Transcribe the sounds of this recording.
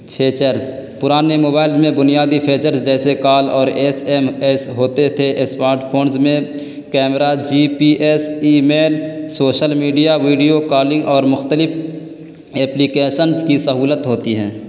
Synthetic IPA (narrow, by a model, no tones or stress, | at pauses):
pʰeːt͡ʃəɾzpʊɾaːnemoːbaːɪlmẽbʊnijaːd̪ipʰeːt͡ʃəɾzd͡ʒɛːsekaːlɔːɾeːseːmɛːsɦoːt̪et̪ʰesmaːɾʈpʰoːnzmẽ | kɛːmɾad͡ʒiːpiʔesiːmeːlsoːʃəlmiːɖijaʋiːɖijokaːlɪ̃ŋɡɔːɾmʊxt̪əlɪfʰ | ɛːplikeːʃənzkisəɦuːlət̪ɦoːt̪iɦɛ̃ː